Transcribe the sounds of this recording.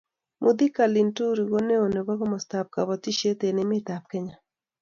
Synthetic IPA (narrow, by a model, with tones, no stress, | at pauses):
mʔʊ˨d̪i˦ka˨li˨ntu˦ɾi˨ɡo˦ne˦o˨ne˨bɔ˦ɡɔ˦mɔ˨st̪a˨p̚ka˨βɔ˨ti˦ʃe˦t̪e˨nɪ˨˦mɪ˦t̪a˨p̚kɛ˦ɲa˨